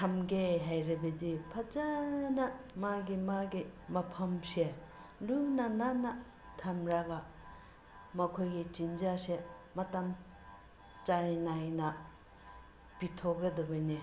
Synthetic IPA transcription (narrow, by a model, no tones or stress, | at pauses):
tʰɐmɡeɦajɾɐbɐdipʰɐd͡ʒanɐmaɡimaɡimɐpʰɐmse | lunananɐ | tʰɐmɾaɡa | mɐkʰojɡit͡ʃind͡ʒasemɐtɐm | t͡ʃajnajnɐ | pitʰoɡɐdɐbɐjne